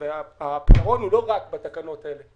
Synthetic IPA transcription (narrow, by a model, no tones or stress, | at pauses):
eaapɔɣɔnuloɣak̚bat̪akanɔt̪ɛle